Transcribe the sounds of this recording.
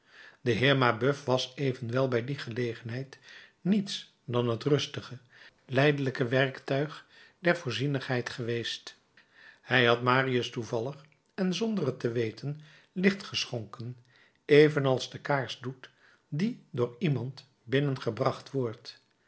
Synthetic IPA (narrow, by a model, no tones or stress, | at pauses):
dəɦɪːɹmabøfʋɑsejvənʋɛlˠbɛjdiχəlejχənɦɛjtnits | dɑnɦətrɵstəχə | lɛjdələkəʋɛɹktœɥχ | dɛɹvʊːɹzinəχɦɛjtχəʋejst | hɛjɦɑtmaːriəstuvɑlˠəχ | ɛnzɔndərətəʋejtʰən | lɪχtχəsχɔŋkən | ejvənɑlˠzdəkaːɹsdut | didʊːɹimɑnt | bɪnənχəbrɑχtʋɔɹt